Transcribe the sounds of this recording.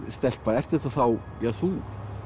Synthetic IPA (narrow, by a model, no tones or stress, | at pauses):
st̪ɛl̥paðɛr̥t̪ɪ̥t̪aθaw | jɛθuːk